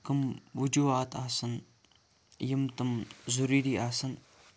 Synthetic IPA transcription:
kɨmwud͡ʒuaːt̪ʰaːsɨn | jimt̪ɨmzuɾiɾiasɨn

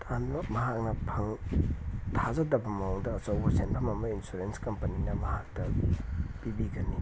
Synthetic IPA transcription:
tʰanbɐmɐɦak̚nɐpʰɐŋ | tʰazɐdɐbɐmɐoŋdɐːsowbɐsenpʰɐmɐmɐinsuɾenskɐmpɐninɐmɐɦak̚tɐ | b̥ibiɡɐni

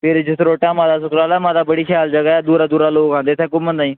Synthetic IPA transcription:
pʰɪɾd͡ʒɪsɾoːʈãːmãːd̪aːsʊkɾaːlaːmãːd̪aːbəɽiːkʰjaːld͡ʒəɡaːɛːd̪uːɾaːd̪uːɾaːloːkãːnd̪eːt̪ʰɛ̃ːkʊmə̃nd̪aːĩː

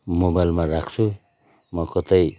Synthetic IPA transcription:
mobajlmaɾakʰt͡sʰu | mʌkʌt̪ʌj

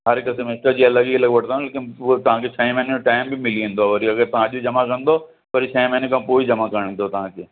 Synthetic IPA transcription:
ɦɐɾkɐsemɪsʈəɾd͡ʑiːɐlɐɡikʰɐlɐɡʋɐʈʰnoːnleːkɪnt̪ɐʋ̤ãkʰet͡ɕʰɐẽmɛɦɪneoʈaːɪmbɪmɪliũːnd̪oaːʋɐɾiɐɡəɾt̪ɐʋ̤ãɐʄd͡ʑɐmakɐ̃nd̪o | pɐɾit͡ɕʰɐẽmɐ̃ɦnekʰãːpoːid͡ʑɐmakɐɾɽ̃ĩnd̪ot̪ɐʋ̤ãkʰeː

